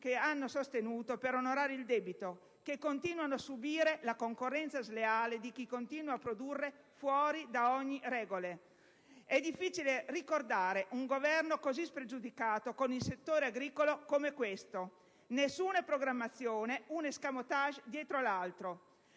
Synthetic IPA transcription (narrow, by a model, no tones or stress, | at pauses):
keanːosost̪enuːt̪opeɾonoɾaːɾeild̪ɛbit̪o | kekːont̪iːnwanoasubiːɾelakoŋkorːɛnt̪sazleaːled̪ik̟ikont̪iːnwaːpːɾod̪urːe | fwɔːɾid̪aɔɲːiɾɛːɡole | ɛd̪ifːiːt͡ʃilerikord̪aːɾeʔuŋɡovɛrnokozispɾed͡ʒud̪ikaːt̪okonilset̪ːoːɾeaɡɾiːkolokomekwest̪o | nesːuːnapɾoɡɾamːat̪sːjoːneuneskamot̪aʒd̪jɛːt̪ɾolalt̪ɾo